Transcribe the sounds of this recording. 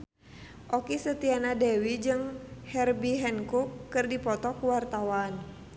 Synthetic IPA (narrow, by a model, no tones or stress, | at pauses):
ʔɔkisət̪ianadɛwid͡ʒɨŋhɛrbiɦɛnkukːɨrdipɔt̪ɔkuwart̪awan